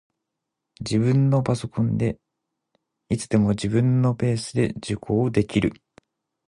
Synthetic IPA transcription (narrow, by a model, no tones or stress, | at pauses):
d͡ʑibɯ̟̃nːo̞paso̞kʰõ̞nd̪e̞ | it͡sɨd̪e̞mo̞d͡ʑʑibɯ̟̃nːo̞pe̞ːsɨd̪e̞d͡ʑɨkʰo̞ːd̪e̞kʲiɾɯ̟